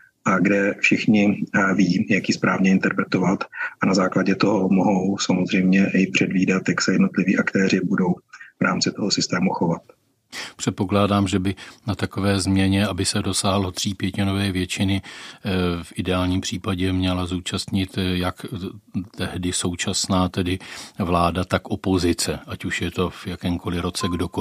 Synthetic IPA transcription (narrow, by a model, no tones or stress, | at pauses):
ʔaɡdɛfʃɪxɲɪviːjakjispɾaːvɲɛɪnt̪ɛɾpɾɛt̪ovat̪ʔanazaːklaɟɛt̪oɦomoɦowsamozr̝ɛjmɲɛʔɪpr̝̥ɛdviːdat̪jaksɛjɛdnot̪lɪviːʔakt̪ɛːɾɪbudo̞wvɾaːmt͡sɪt̪oɦosɪst̪ɛːmuxovat̪̚ | pr̝̥ɛt̪̚po̞klaːdaːmʒɛbɪnat̪ako̞vɛːzmɲɛɲɛabɪsɛdo̞saːɦlo̞t̪r̥iːpjɛcɪno̞vɛːvjɛt͡ʃɪnɪ | fʔɪdɛaːlɲiːmpr̝̥iːpaɟɛmɲɛlazuːt͡ʃast̪ɲɪt̪jak | t̪ɛɦdɪso̞wt͡ʃasnaːt̪ɛdɪvlaːdat̪akʔo̞po̞zɪt͡sɛʔacuʃjɛt̪o̞vjakɛːmko̞lɪɾo̞t͡sɛɡdo̞ko